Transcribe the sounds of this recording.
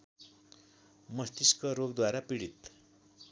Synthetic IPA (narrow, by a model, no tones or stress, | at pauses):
mʌst̪iskʌɾoɡd̪waɾapiɽit̪